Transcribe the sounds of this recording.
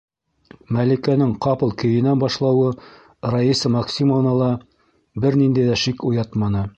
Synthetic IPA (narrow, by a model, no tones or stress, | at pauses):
mælikænɘŋqɑpɤ̆lˠkɵ̆jɘ̆nænbɑʃlˠɑwɤ | rɐisɤmɑksʲimovnɑlˠɑ | bɘɾnind̪æjðæʃikujɑt̪mɑnɤ